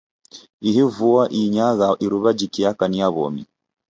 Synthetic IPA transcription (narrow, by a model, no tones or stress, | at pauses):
iɦivuaʔiɲaɣaʔiɾuβad͡ʒikiakaniaβɔ̰mḭ